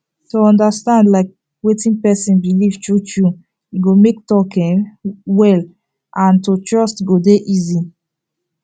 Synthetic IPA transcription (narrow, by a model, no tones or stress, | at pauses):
toɔ̃ndəstãndlaɪk̚ | wetĩnpɛsĩnbiliv̥tɹut͡ʃu | iɡomek̚tɔkĩnwɛl | ʔãntotɹɔstɡodeʔizi